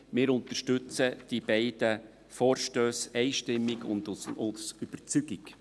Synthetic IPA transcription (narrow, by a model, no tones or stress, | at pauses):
mɪːɾʊnt̪əʃtɵt͡səd̥ib̥ɛɪd̥ə | fɔːɾʃtøːsɛɪʃtɪmːɪɡʊ̰nd̪ʊsʊsyb̥əɾt͡syɡɪk